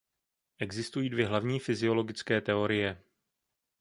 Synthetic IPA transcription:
ʔɛɡzɪst̪ujiːdvjɛɦlavɲiːfɪzɪo̞lo̞ɡɪt͡skɛːt̪ɛo̞ɾɪjɛ

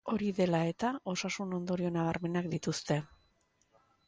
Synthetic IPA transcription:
o̞ɾiðe̞lae̞t̪ao̞sasuno̞nd̪o̞ɾio̞naβ̞aɾme̞nak̚d̪it̪ust̪e̞

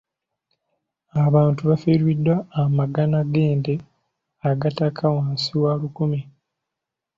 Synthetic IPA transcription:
aβaːntuβafiːɾwidːwaːmaɡanaɡe̞ːnde | aɡatakʰawaːnsiwalukumi

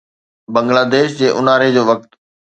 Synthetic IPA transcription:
bɐ̃ŋɡlaːd̪eːʃd͡ʑeːʔʊnaːɾed͡ʑoːʋɐk̚t̪

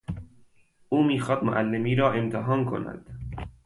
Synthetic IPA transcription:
ʔuːmiːxɒːd̪̥mo̰ʔælːemiːɾɒːe̞mt̪ʰeɦɒːnkʰo̰næ̰d̪̥

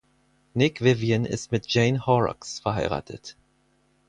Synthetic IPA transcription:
nɪkv̥ɪvjənʔɪ̰stmɪt̚d͡ʒ̥eɪnhɔʁɔ̰ksfɛɐɦaɪʁa̰ːtʰə̰t

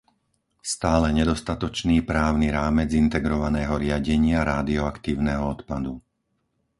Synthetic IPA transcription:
st̪aːlɛɲɛd̪ɔst̪at̪ɔt͡ʃniːpɾaːʊniɾaːmɛd͡zint̪ɛɡɾɔʋanɛːɦɔɾɪaɟɛɲɪaɾaːd̪iɔakt̪iːʊnɛɦɔɔt̪pad̪u

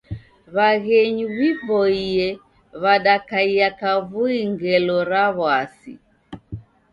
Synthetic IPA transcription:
βaɣɛɲuɣipɔiɛ | βaɗakaiakavuiŋɡɛlɔɾaβwasḭ

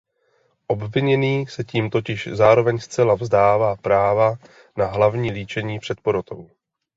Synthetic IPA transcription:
ʔo̞bvɪɲɛniːsɛciːmt̪o̞cɪʃzaːɾo̞vɛɲst͡sɛlavzdaːvaːpɾaːva | naɦlavɲiːliːt͡ʃɛɲiːpr̝̥ɛt̪̚poɾot̪o̞w

